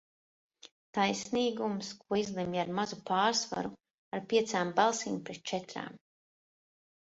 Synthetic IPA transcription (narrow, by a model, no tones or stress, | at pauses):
t̪ajsniːɡumskuɔizlˠɛmjaɾmazupaːɾsva̰ɾu | aɾpiɛt̪saːmbalˠsiːmpɾɛt̪̚t͡ʃɛt̪ɾa̰ːm